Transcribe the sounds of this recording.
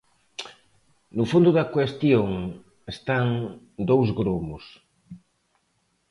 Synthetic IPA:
nʊfond̪ʊðɐkwest̪joŋ | est̪aŋ | d̪owzɣɾomos

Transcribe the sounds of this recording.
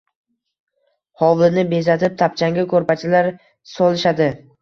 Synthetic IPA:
hɒwlɪnɪbe̞zat̪ʰɪp̚t̪ʰap̚t͡ʃʰaŋɡʲakʰɵɾpat͡ʃʰɪlaɾ | sɒlɪʃad̪ɪ

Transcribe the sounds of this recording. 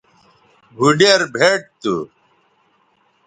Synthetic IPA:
bʱuɖɐɾbʱeʈ̚t̪ṵ

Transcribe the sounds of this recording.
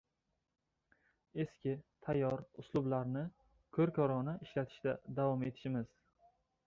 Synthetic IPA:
e̞skʲɪt̪ʰajːɒɾʊslˠʊblaɾnɪ | kʰɵɾkʲʰɒɾɒnaʔɪʃlat̪ʰɪ̥ʃt̪ad̪avɒme̞t̪ʰɪ̥ʃɪmɪz̥

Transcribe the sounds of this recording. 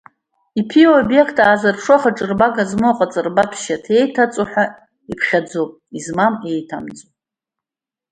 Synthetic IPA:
ipʰiobje̞kʰtʰʼaːzɨrpʰʂaχaʈ͡ʂʼɨrbaɡazmoqʼat͡sʼɨrbatʷʰʃatʰe̞jtʰat͡sʼoħʷᶣa | ipʰχʲad͡zopʼizmame̞jtʰa̰md͡zʼo

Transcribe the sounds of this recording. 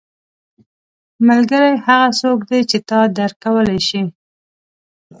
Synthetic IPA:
malɡəɾajhaɣasokd̪et͡ʃet̪ɑd̪aɾkawəlajʃi

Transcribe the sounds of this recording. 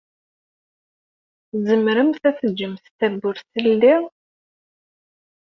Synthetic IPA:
zəmɾəmθæθəd͡ʒːəmst̪æbːʊɾθəlːi

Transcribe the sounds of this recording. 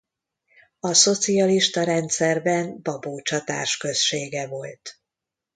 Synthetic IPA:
ɒso̞t̪siɒliʃt̪ɒɾɛnt̪sɛrbɛnbɒboːt͡ʃɒt̪a̰ːrʃkø̞sʃeːɡɛvo̞lt̪

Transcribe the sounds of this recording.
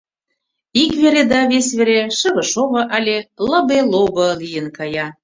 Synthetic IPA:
ikβeɾed̪ɑβesβeɾeʃə̆βə̆ʃoβɤ̆ʔɑlʲelɤ̆beloβɤ̆lijənkɑjɑ

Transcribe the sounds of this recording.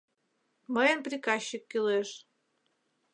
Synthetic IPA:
məjənprʲikɑɕːikːileʃ

